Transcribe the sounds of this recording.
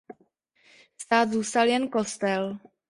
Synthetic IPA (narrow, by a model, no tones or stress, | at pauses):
st̪aːd̪zuːst̪aljɛnko̞st̪ɛl